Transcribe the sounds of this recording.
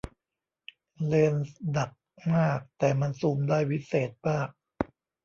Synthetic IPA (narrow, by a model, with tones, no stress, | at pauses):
leː˧nda˨˩k̚maː˥˩k̚t̪ɛː˨˩ma˧nsuː˧mdaː˥˩jwi˦˥seː˨˩t̪̚baː˥˩k̚